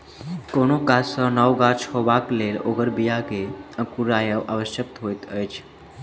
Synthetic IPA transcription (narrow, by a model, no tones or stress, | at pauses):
konokasənəwɡat͡ʃʰhoʋakleːloɡəɾbijaɡeə̃kuɾajəʋʔaʋəʃjək̚t̪ɦoːjt̪əjt͡ʃʰ